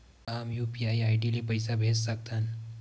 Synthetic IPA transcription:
aːmjuːpiajaːiʈilipəjsabʱessək̚t̪an

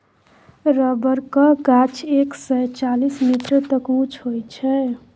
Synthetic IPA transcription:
ɾəbəɾkəkat͡ʃʰeksəjt͡ʃalismiʈɾət̪əkũt͡ʃʰɦojt͡ʃʰɛ

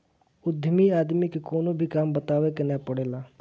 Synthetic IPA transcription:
ʊd̪ʱəmiaːd̪mikekoːnobʱikaːmbət̪aːʋekenɛpəɽeːlaː

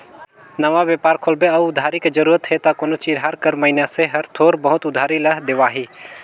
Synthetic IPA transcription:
nɐʋaʋjeːpaːɾkʰoːlbeɐʋʊd̪ʱaːɾiked͡ʒəɾuːɾət̪ɦet̪akoːnot͡ʃiːd͡ʒɦaɾkəɾmɐinaseɦɐɾt̪ʰoːɾbəɦʊt̪ʊd̪ʱaːɾilɐɦd̪ɪʋaːɦiː

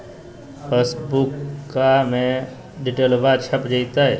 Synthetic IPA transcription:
pʰeːsbukːamẽ | ɖiʈəlbat͡ʃʰəpd͡ʒait̪aɦɛ

